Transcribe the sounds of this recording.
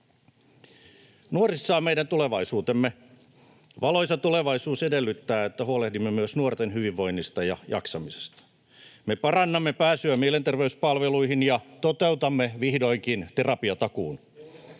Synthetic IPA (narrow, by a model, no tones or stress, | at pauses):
nuorisːɑːmeidænt̪ule̞ʋɑisuːt̪emːe | ʋɑlo̞isɑt̪uleʋɑisuːsedelːyt̪ːæːet̪ːæɦuolehdimːemyøsnuort̪enɦyʋiʋːo̞inːist̪ɑjɑjɑ̰ksɑmise̥st̪ɑ̥ | mepɑrɑnːɑmːepæːsyæmielent̪erʋeyspɑlʋeluiɦinjɑt̪ot̪e̞ut̪ɑmːeʋihdoiŋkint̪erɑpiɑt̪ɑkuːn